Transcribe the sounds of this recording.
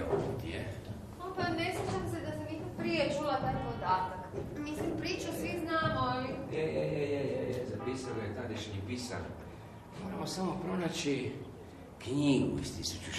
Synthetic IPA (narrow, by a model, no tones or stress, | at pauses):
opo̰t̪iḛ | opaneslit͡ʃamsed̪asamihpɾijet͡ʃulat̪aːjpod̪aːt̪akmislimpɾiːt͡ʃusʋiznaːmoalieeejɛjejezapiːsanojet̪ad̪iʃeɲupisa̰no̰ | moːɾamosamo̞pɾo̞nat͡ɕi | kɲiɡṵist̪isut͡ʃu